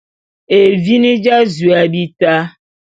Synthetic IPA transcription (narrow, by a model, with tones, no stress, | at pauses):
e˨vi˦nĩ˦d͡ʒa˦zu˨a˨bi˦ta˦